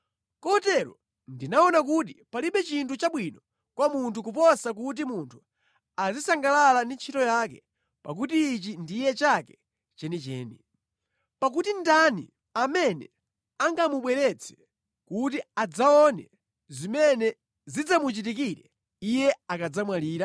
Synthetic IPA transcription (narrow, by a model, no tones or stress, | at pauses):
kɔtɛɾɔ̰ | ndinaɔnak̬ut̬ipaliɓɛt͡ʃintʰut͡ʃaɓwinɔ | kwamuntʰukupɔsak̬ut̬imuntʰu̥ | azisaŋɡalalandint͡ʃʰitɔjak̬ɛ | pa̰k̬utiːt͡ʃindijɛt͡ʃakɛ | t͡ʃɛnit͡ʃɛ̰ːni | pak̬utindanḭ | amɛnɛ̰ | aŋɡamuɓwɛɾɛt͡sʰɛ̥ | kut̬iad͡zaɔnɛ | zimɛnɛ | zid͡zamut͡ʃit̬ikiɾɛ | ijɛakad͡zamwaliːɾa